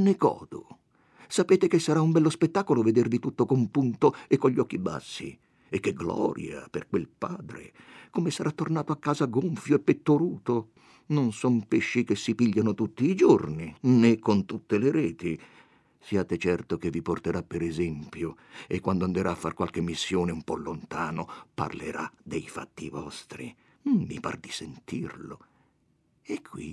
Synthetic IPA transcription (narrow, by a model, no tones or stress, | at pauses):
nekɔ̰ːd̪o̰ | sapeːt̪ekesːaɾaumbɛlːospet̪ːaːkoloved̪ervit̪ut̪ːokompunt̪oekːoʎːɔkːiba̰sːḭ | ekːeɡlɔ̰ːɾja̰perkwelpaːd̪ɾḛkomesaɾat̪ːornaːt̪oakːaːzaɡoɱfjoepːet̪ːoɾuːt̪o | nonsɔmpeʃːikesːipiʎːanot̪ut̪ːiːd͡ʒorninekːont̪ut̪ːeleɾɛːt̪i | siaːt̪et͡ʃɛrt̪okevːiport̪eɾapːeɾɛzɛmpjoḛkːwand̪oand̪eɾaːfːa̰rkwalk̟emːisːjoːneumpɔlːont̪aːnopa̰rlḛɾa̰d̪ejfa̰t̪ːḭvɔ̰st̪ɾḭ | mḭpa̰rd̪isent̪irlo | ekʰːwḭ